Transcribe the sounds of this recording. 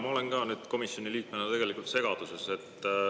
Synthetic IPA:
mɑo̞le̞nkɑːnyːd̪̥ko̞misjo̞niliːk̚menɑt̪e̞ɡ̥e̞likːˑult̪se̞ɡ̥ɑd̪̥usese̞t̪ːˑ

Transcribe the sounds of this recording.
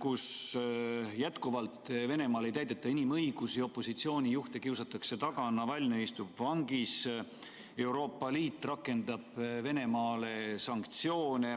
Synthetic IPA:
kus | jæt̪kuvɑlt̪ˑve̞ne̞mɑːle̞jt̪æjd̪̥e̞t̪ːˑɑinimɤjɡ̥usio̞pːo̞sit̪sio̞ːnʲijuht̪e̞kiwsɑt̪ːˑɑkse̞t̪ɑɡ̥ɑnɑvælʲnejst̪ubvɑŋɡ̥is | e̞wɾo̞ːpːˑɑliːt̪ːˑrɑkːˑe̞nd̪̥ɑb̥ve̞ne̞mɑːle̞sɑŋkt̪sio̞ːne

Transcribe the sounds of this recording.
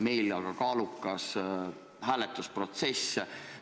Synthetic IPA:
me̞jlɑɡ̥ɑkɑːlukːˑɑs | hæːlɛt̪ːˑuspro̞t̪se̞s

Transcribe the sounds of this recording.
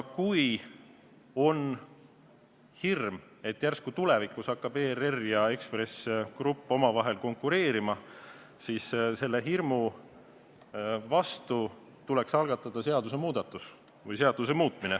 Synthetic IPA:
kuj | o̞n | hirm | e̞t̪ːˑjærskut̪ulevikːˑusɑkːɑb̥e̞ːrerjɑe̞kspre̞skrupːˑo̞mɑvɑɦe̞lko̞ŋkːuɾe̞ːɾimɑ | siːsse̞lːe̞ɦirmu | vɑst̪u | t̪ulɛksɑlɡ̥ɑt̪ːˑɑd̪̥ɑse̞ɑd̪use̞muːd̪̥ɑt̪ːˑus | vɯjse̞ɑd̪̥use̞muːt̪ˑminɛ

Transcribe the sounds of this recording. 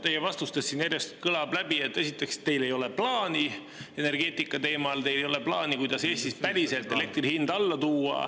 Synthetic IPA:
t̪ejevɑst̪ust̪esːinjæɾjest̪kɯlɑblæb̥ie̞t̪ːˑe̞sit̪ːˑe̞kst̪e̞jle̞jo̞le̞plɑːni | e̞ne̞rɡ̥e̞ːt̪ˑikːˑɑt̪e̞ːmɑlt̪e̞jlejo̞le̞plɑːnikujd̪̥ɑse̞ːst̪ispæɾise̞lt̪ˑːe̞le̞k̚t̪rihind̪̥ɑlːɑt̪uːɑ̰

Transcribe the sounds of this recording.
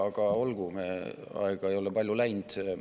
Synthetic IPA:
ɑɡ̥ɑo̞lɡ̥umeɑ̰eɡ̥ɑe̞jo̞lɛpɑlʲjulæjnd̪̥

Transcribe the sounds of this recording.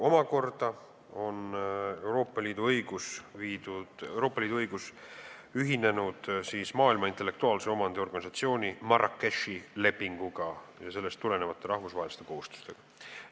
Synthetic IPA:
o̞mɑko̞rd̪̥ɑ | o̞ne̞wɾo̞ːpːˑɑliːd̪̥uɤjɡ̥usviːd̪ud̪̥wɾo̞ːpːˑɑliːd̪uɤjɡ̥us | yɦine̞nud̪̥siːsmɑːilmɑint̪ːˑe̞lːe̞kt̪uɑːlseo̞mɑnd̪eo̞rɡ̥ɑnisɑt̪sio̞ːnʲimɑɾʔɑkːeʃile̞pːiŋɡ̥uɡ̥ɑjɑse̞lːe̞st̪ːule̞ne̞vɑt̪ˑːe̞ɾɑhvusɑɦelist̪e̞ko̞hust̪u̥st̪e̞ɡ̥ɑ

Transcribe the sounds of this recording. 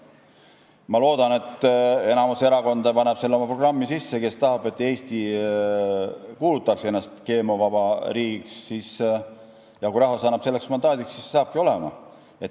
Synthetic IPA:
mɑlo̞ːd̪̥ɑne̞t̪ˑːe̞nɑmuse̞ɾɑko̞nd̪̥ɑpɑneb̥se̞lːeo̞mɑpro̞ɡ̥rɑmːisisːe̞ke̞st̪ɑɦɑbe̞t̪ːe̞ːst̪i | kuːlut̪ːˑɑksee̞nːɑst̪ke̞ːmovɑbɑɾiːɡiksːis | jɑkuɾɑɦosɑnːɑb̥selːeksmɑnd̪ɑːd̪iksːissɑːb̥̚kio̞lemɑ̰ | e̞t̪ː

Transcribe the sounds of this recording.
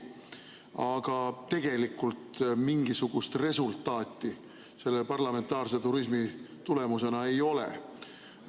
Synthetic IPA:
ɑɡ̥ɑt̪e̞ɡ̥e̞likːˑult̪miŋɡ̥isuɡ̥ust̪re̞sult̪ːˑɑːt̪ːˑi | se̞lːepɑrlɑme̞nt̪ɑːrse̞t̪uɾis̬mi | t̪ule̞muse̞nɑe̞jo̞lḛ

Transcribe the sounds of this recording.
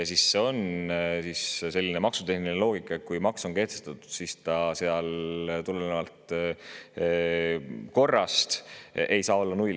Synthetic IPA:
sisːe̞o̞nsisse̞lʲːinemɑksut̪e̞hniinelo̞ːɡikːˑɑet̪̚kujmɑkso̞nke̞ht̪est̪ɑt̪ːu̥d̪̥sist̪ɑseɑlt̪ulenevɑlt̪ | ko̞rːɑst̪e̞jsɑːo̞lːɑnuj

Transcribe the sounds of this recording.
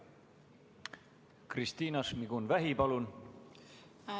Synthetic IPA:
krist̪iːnɑsmiɡ̥unvæɦipɑlun

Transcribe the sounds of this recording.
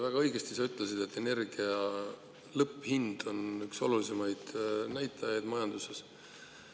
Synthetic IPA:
væɡ̥ɑɤjɡ̥est̪isɑyt̪ˑlesid̪̥e̞t̪ːe̞ne̞rɡ̥iɑ | lɤpːˑhind̪̥o̞nykso̞lulise̞mɑjd̪̥næjt̪ˑːɑjɑjd̪̥mɑjɑnd̪use̞s

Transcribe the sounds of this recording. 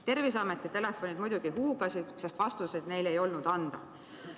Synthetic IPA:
t̪e̞rvisɑmet̪ːˑit̪e̞le̞fːˑo̞nid̪mujd̪uɡ̥iɦuːɡ̥ɑsid̪̥sɑst̪vɑst̪used̪ne̞jle̞jo̞lnud̪̥ɑnd̪̥ɑ̰

